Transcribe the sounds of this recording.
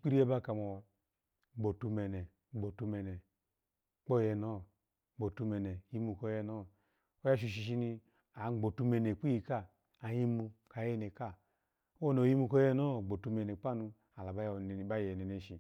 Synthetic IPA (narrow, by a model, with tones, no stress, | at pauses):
k͡pi˦ɾi˦e˦ba˦ka˨mo˨ | ɡ͡bo˨tu˧me˨ne˨ | ɡ͡bo˨tu˧me˨ne˨ | k͡po˦˨jɛ˧no˦˨ | ɡ͡bo˨tu˧me˨ne˨ji˦mu˧˨ko˦jɛ˧no˦˨ | o˦ja˦ʃ̬i˦˧˨ʃ̬i˧˨ʃ̬i˦ni˧ | a˨˦ɡ͡bo˨tu˧me˨ne˨k͡pi˦ji˨ka˦ | a˨ji˦mu˧ka˨je˦ne˨ka˦ | o˦no˨ji˦mu˧ko˦je˦no˦˨ɡ͡bo˨tu˧me˨ne˨k͡pa˦nu˧ | a˨la˨ba˦˨˦ba˦jɛ˨ne˨ne˨ʃi˨